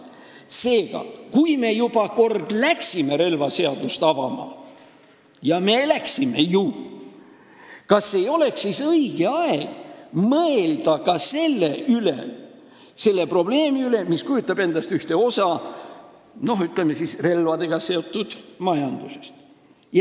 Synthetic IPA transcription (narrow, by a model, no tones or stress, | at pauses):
se̞ːɡ̥ɑ̰kujme̞jub̥ɑko̞rd̪̥læksime̞ɾe̞lvɑse̞ɑd̪̥ust̪ɑvɑ̰mɑ̰ | jɑme̞læksime̞ju | kɑsːe̞jo̞le̞ksːisɤiɡ̥eɑeɡ̥mɤeld̪̥ɑkɑse̞lːeylḛ | se̞lːe̞pro̞b̥le̞ːmiyle̞miskujut̪ːˑɑb̥e̞nd̪̥ɑst̪yht̪e̞o̞sɑ | no̞ɦyt̪lemːesisre̞lvɑd̪e̞ɡ̥ɑse̞o̞t̪ːˑud̪̥mɑjɑnd̪̥use̞st̪ | jɑ